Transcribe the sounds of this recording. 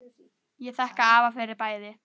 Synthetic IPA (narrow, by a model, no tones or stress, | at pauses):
jɛθahkaaːvafɛɾɪpaːjðɪ